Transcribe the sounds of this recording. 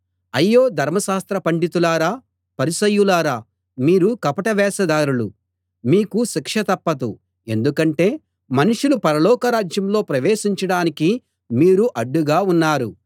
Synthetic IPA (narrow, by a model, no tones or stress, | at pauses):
ɐjːo̞ːd̪ʱɐɾmɐʃaːst̪ɾɐpɐɳɖit̪ulaːɾaː | pɐɾisɐjːulaːɾaː | miːɾukɐpɐʈɐʋɛːsɐd̪aːɾulṵ | miːkuʃikʂɐt̪ɐpːɐt̪ṵ | e̞̰nd̪ukɐɳʈe̞ː | mɐnuʂulupɐɾɐlɔːkɐɾaːd͡ʒjɐmlo̞ːpɾɐʋeːʃiɲt͡ʃɐɽaːniki | miːɾuʔɐɖːuɡaːunːaːɾu